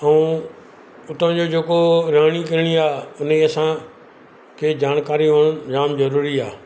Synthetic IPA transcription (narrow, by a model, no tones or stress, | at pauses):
ɐũː | ʊʈ̪ʰə̃d͡ʑoːd͡ʑeːkoɾaːɽ̃ik̬ɐɾɪɽ̃iaːʊnĩɐsã | kʰeːd͡ʑaːɽ̃kaːɾiʋʊɽ̃ʊnɾaːmzɐɾuːɾiaː